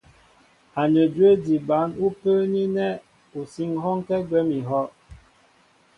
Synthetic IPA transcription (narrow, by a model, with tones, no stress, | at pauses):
a˨nə˨dwe˦di˨ba˨˦nu˦pə˦ni˦nɛ˦ | u˨si˦ŋɦɔ˦ŋkɛ˦ɡwɛ˦mi˨ɦɔ˦ʔ